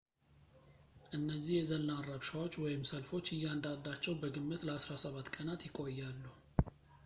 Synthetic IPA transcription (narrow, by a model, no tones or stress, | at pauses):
ʔɨnːəzːihjɛzənːarəβʃawo̞t͡ʃːwɔjɪmsəlfo̞t͡ʃːɨjːand̪ad̪ːat͡ʃːɛwbəɡɨmːɨt̪ləasɾasəβat̪ːkʼənat̪jɪkʼo̞jːalːuh